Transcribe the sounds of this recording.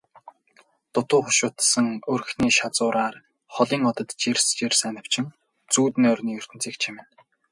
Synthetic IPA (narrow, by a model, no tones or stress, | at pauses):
t̪ʊt̪ʊːχʊʃʊːt̪sə̆ŋɵr̆xniːʃat͡sʊːɾʔaːr | χɔɮiːŋɔt̪ɞ̆t̪t͡ɕerst͡ɕersænə̆w̥t͡ɕʰɪ̆ŋ | t͡suːt̪nɔrʲniːɵr̥t̪ɘ̆nt͡siːkt͡ɕʰimɪ̆n